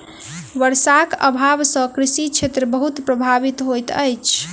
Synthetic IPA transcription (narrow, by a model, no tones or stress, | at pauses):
ʋəɾsakə̰bʱabsə̃kɾisit͡ʃʰet̪ɾəbəɦut̪pɾəbʱabit̪ɦojt̪əjt͡ʃʰ